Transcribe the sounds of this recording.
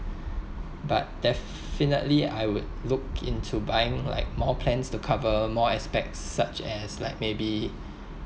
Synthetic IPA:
bat̚d̥ɛf | finə̰tlia̰jwʊdlʊkḭ̃ntʰubajɪ̃ŋla̰ɪk̚mɔpʰlɛ̃nstukʰavəmɔɛspɛ̰k̚tsːat͡ʃɛslaɪk̚mebi

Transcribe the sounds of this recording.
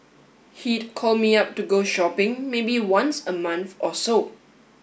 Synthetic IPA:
hitkʰɔlmiap̚tuɡoʃɔpɪ̃ŋmebiwãnsəmãnθɔso

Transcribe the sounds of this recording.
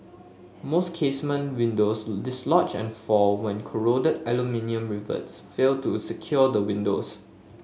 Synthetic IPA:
moskʰesmə̃nwĩndosdɪslɔt͡ʃɛ̰̃nfɔlwɛ̃nkʰɔɹodədɛlumĩniə̃mɹivə̰sfeltusəkʰjɔdəwĩndos

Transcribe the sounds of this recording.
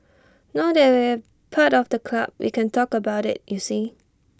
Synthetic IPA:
naʊdɛwi | pʰaɾɔfdəkʰlab̚wʔḭkɛ̃ntʰɔkəbaʊɾɪ̰t̚jusi

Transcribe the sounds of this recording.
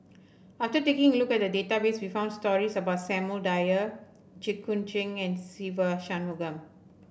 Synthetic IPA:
aftətekɪ̃ŋlukɛt̚dədetabeswifãʊ̃ndstɔɹisəbaʊtsɛ̃məldajə | d͡ʒikːũnt͡ʃɪ̃ŋɛ̃nsivəʃãnuɡə̃m

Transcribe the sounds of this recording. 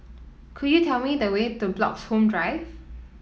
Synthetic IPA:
kʰujutʰɛlmidəwetublɔ̰kshõmdɹaɪv

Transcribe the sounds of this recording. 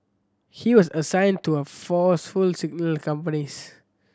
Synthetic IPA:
hiwɔsəsãɪ̃ntuəfɔsfulsiɡ̚nəlkãmpənis

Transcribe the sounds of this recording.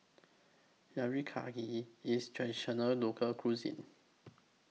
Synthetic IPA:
jaɹikʰa̰ɡiistʰɹɛ̃diʃənəlokʰəlkʰɹuzḭ̃n

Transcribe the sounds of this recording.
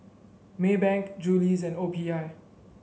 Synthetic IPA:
mebɛ̃ŋkd͡ʒulizɛ̃ndopʰiaɪ

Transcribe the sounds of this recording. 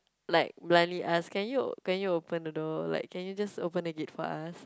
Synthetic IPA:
laɪk̚blãniʔaskɛ̃njukɛ̃njuopə̃ndədola̰ɪkʰːɛ̃njud͡ʒasopə̃nəɡɪt̚fɔ̰as

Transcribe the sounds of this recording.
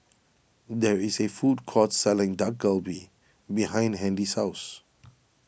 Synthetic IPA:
dɛɹisefudkʰɔtsɛlɪ̃ŋdak̚ɡəlbi | bihãɪ̃ndɦɛ̃ndisaʊs

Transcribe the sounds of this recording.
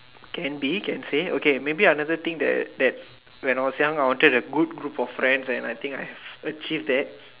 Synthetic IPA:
kɛ̃nbikɛ̃nseokemebianadət̪ĩŋkdɛ̰td̪ɛt̚ | wɛ̃naɪjwɔsjãŋajwɔ̃ntədəɡud̚ɡɹupɔfːɹɛ̃ndsɛ̃najt̪ĩŋkajɛvət͡ʃivdɛt̚

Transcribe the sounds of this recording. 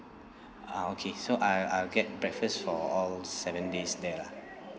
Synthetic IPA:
aokʰesoʔaɪaɪlɡɛt̚bɹɛkfəstfɔɔlsɛvə̃ndesdɛla

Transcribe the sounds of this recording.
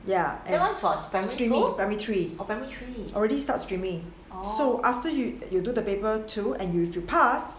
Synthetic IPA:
jaʔɛ̃asfɔsbɛstɹĩmĩŋbɛmit̪ʰɹiobɛmiɹiɔlɹɛɾistatstɹĩmĩŋ | soʔaftəjujududəpepətʰuɛ̃njufjupʰas

